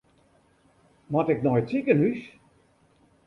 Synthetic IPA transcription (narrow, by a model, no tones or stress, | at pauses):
mɔtɪknɔjtikənys